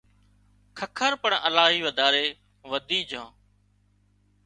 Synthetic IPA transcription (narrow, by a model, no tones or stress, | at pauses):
kʰəkʰəɾpəɳəlaːɦiːʋəd̪ʱaːɾeː | ʋəd̪iːd͡ʒãː